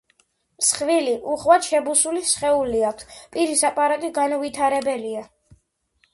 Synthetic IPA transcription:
msχviliʔuχvat̪ʃɛbusulisχɛuliak̚ʷʰt̪pʼiɾisapʼaɾat̪ʼiɡanɔvit̪ʰaɾɛbɛlia

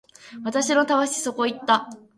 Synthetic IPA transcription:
βat̪aɕino̞t̪aβaɕi̥so̞ko̞it̪ːa

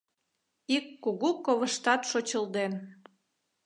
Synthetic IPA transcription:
ikːuɣukoβə̆ʃt̪ɑt̪ʃot͡ɕəld̪en

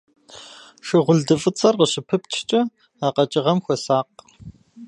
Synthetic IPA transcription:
ʂɪʁʷʊɮdɨfʼɨt͡sʼɐrqəɕɪpʰɨp̚t͡ʃʰt͡ʃʼɐ | aːqɐt͡ʃʼɪʁɐmxʷɔsaːq̚

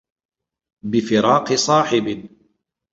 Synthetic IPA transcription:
bɪfɪɾɑːqɨsˤɑːħɪbɪ

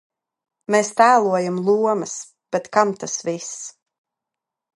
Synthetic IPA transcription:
meːst̪æːlˠuɔjamlˠuɔmɐs | b̥ɛt̪kamt̪asvis

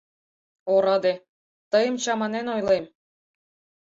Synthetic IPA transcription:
oɾɑd̪e | t̪ɤjɤ̆mt͡ɕɑmɑnenojlˠem

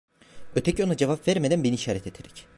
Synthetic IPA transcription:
øt̪ʰɛcʰio̞nad͡ʒevapv̥ɛɾmed̪ænbeniiʃaːɾɛt̪et̪ʰeɾɛ̥c

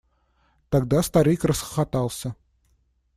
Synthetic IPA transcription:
t̪aɡd̪ast̪aɾʲijkrəsxə̥χat̪ɑlˠsʲə

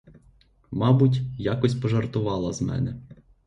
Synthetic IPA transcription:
mɑbʊtʲjakɔsʲpɔʒɐrt̪ʊʋɑlˠɐzmɛ̰nɛ

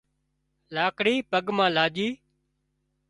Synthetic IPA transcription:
laːkɽiːpəɡmãːlaːd͡ʒiː

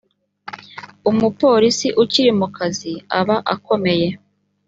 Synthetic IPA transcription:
umupo̞ːɾisiʔuciɾimukaziaβaʔako̞me̞je̞

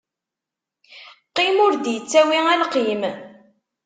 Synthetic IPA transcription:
qːimʊɾd̪jət͡sːæwiælqim

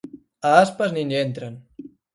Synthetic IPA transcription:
aaspəzninent̪ɾan

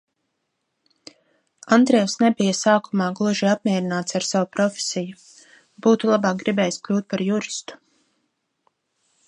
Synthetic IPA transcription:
and̪ɾɛɛwsnebijɐsaːkumaːɡlˠuʒiap̚mʲiɛɾinaːt̪saɾsawupɾɔfʲe̥siju | b̥uːt̪ulˠabaːk̚ɡɾibɛːjsklʲuːt̪̚paɾjuɾist̪u̥

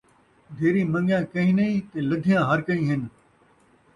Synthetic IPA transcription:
d̪ʱeːɾĩːmə̃ŋɡjãːkɐɦĩːnɐĩːt̪eːləd̪ʱijãːɦɐɾkəĩːɦɪn

